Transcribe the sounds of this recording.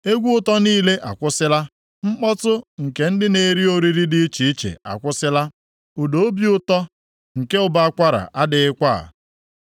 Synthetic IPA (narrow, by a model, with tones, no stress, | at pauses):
e˦ɡʷu˦ʊ˦tɔ˦niː˦le˦ʔa˨kʷʊ˦sɪ˦la˦ | ŋ͡m̩˦k͡pɔ˦tʊ˦ŋ̩˨ke˨n̩˦dɪ˦ne˨ɾi˦o˨ɾi˦ɾi˦dɪ˦i˦t͡ʃi˨i˦t͡ʃḛ˨a̰˨kʷʊ˦sɪ˦la˦ | u˨do˨˦o˦bi˦ʊ˦tɔ˦ | ŋ̩˨ke˦ʊ˨ba˦a˦kʷa˦ɾa̰˨ʔa˦dɪ˨ɪ˦kʷa̰˦˨